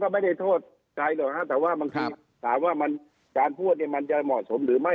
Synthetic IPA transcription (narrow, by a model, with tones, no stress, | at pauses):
kɔː˥˩ma˥˩jda˥˩jt̪ʰoː˥˩t̪̚ | ka˧jloː˨˧˩k̚ha˦˥t̪ɛː˨˩waː˥˩baː˧ŋt̪ʰiː˧ | t̪ʰaː˨˦mwaː˥˩ma˧n | kaː˧npʰuː˥˩t̪̚niː˧˥˩ma˧nt͡ɕa˧˩mɔ˨˩t̪̚so˨˦mɾɯː˨˩˦ma˥˩